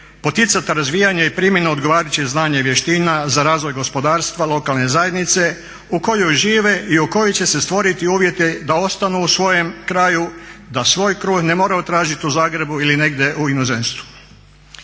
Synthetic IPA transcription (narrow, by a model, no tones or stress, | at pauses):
po̞t̪it̪sat̪aɾazʋijaɲeipɾimjenuod̪ɡo̞ʋaːɾat͡ɕeznaːɲeʋje̞ʃt̪iːnazaɾaːzʋo̞jɡo̞spo̞d̪aːɾst̪ʋalˠo̞kalˠne̞zaje̞d̪nit̪se̞ | uko̞jojʒiːʋeʔiuko̞jot͡ɕe̞se̞st̪ʋo̞ɾit̪iuːʋje̞t̪ed̪ao̞st̪anuusʋo̞je̞mkɾaːjud̪asʋo̞ːjkɾuːɡne̞mo̞ːɾaot̪ɾaːʒit̪iuzaːɡɾe̞builine̞ɡd̪je̞ʔuinozenst̪ʋu̥